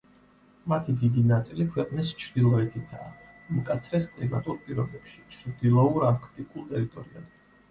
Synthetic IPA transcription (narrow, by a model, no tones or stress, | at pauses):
mat̪ʰid̪id̪inat̪sʼilikʰwɛqʼnist͡ʃʰɾd̪ilˠɔɛt̪ʰit̪ʰaː | mkʼat̪sʰɾɛskʼlima̰t̪ʼuɾpʼiɾɔbɛpʃi̥t͡ʃʰɾd̪ilˠɔuɾakʰt̪ʼikʼulˠt̪ʼɛɾit̪ʼɔɾia̰d